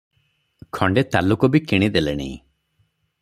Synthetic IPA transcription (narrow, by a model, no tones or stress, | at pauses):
kʰɔɳɖet̪alukɔbikiɽ̃id̪elḛɽ̃ḭ̃